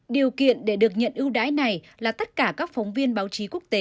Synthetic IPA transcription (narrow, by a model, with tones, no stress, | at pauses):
ɗi˨˩əwkḭ˧˨ənɗe˧˩ɗɨ˨˩ək̚ɲə̰˧˨nʔɨ˧əwɗa̰ː˧˥jna˨˩j | laː˨˩t̪ə˦˥t̚kaː˧˩kaː˦˥k̚fɔ˨˦wŋ͡mvi˧ənɓaː˨˦wt͡ɕi˨˦ku˦˥ək̚t̪e˨˦